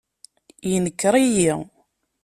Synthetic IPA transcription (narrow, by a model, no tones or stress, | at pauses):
jinəkːɾˤiji